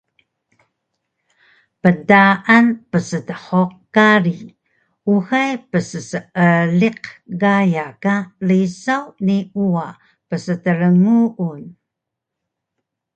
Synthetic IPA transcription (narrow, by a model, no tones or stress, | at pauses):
pədaʔanpəsətəħoq̚kaɾi | uɣajpəsəsəəliqɡajakalisawniua | pəsətəɾəŋuʔun